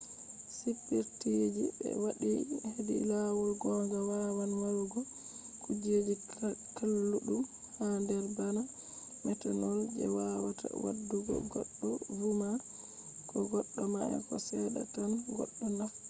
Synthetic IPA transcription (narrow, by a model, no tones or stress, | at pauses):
sipːiɾtid͡ʒibɛ̰waɗihedḭlawulɡɔŋɡawawanwalɡɔ | kud͡ʒed͡ʒikalːuɗum | handɛɾbana | mɛtanɔld͡ʒɛ̰wawatʰa̰wa̰dːuɡɔ̰ɡɔɗːɔvuma | kʰɔɡɔɗːɔmaʔɛ̰kɔsɛɗa̰tanɡɔ̰ɗːɔna